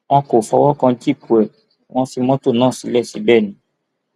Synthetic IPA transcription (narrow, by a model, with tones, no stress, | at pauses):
w̃ɔ̃˧ko˨fɔ˧wɔ˦kã˧d͡ʒi˦˨ku˨ɛ˨ | w̃ɔ̃˧si˧mɔ̃˦to˦˨nãː˦˨si˧˦lɛ˦˨si˧bɛ˦˨nĩ˨˦